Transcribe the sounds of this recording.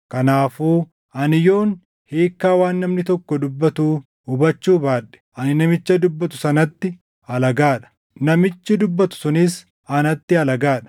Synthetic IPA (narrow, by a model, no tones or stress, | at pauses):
kɐnaːfuː | ʔɐnɪjo̞ːn | heːkːaːwaːnːɐmnɪt̪ɔkːɔd̪ʊbːɐt̪uː | ʊbɐt͡ʃːuːbaːᶑɛ̥ʔɐnɪnɐmɪt͡ʃːɐd̪ʊbːɐt̪ʊsɐnɐt̪ːɪ | ɐlɐɡaːᶑɐ̥ | nɐmɪt͡ʃːɪd̪ʊbːɐt̪ʊ̥sʊnɪs | ɐnɐt̪ːɪɐlɐɡaːᶑɐ̥